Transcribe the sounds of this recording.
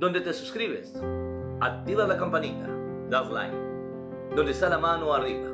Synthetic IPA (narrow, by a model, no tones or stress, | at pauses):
d̪õnd̪et̪esuskɾiβes | at̪iβaðlakampanit̪a̰ | d̪azla̰jn | d̪ond̪est̪alamanoariβa